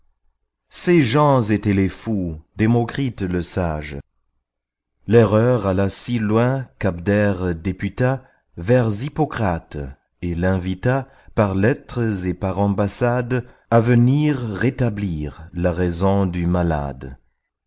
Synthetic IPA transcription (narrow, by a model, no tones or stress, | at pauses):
seʒɑ̃zet̪ɛlefud̪emɔkχit̪ləsaʒ | lɛʁœʁalasilwɛ̃kabd̪ɛʁd̪epyt̪a | vɛʁzipɔkχat̪ | elɛ̃vit̪a | paʁlɛt̪χəzepaʁɑ̃basad̪ | avəniʁːet̪abliːʁlaʁɛzɔ̃d̪ymala̰d̪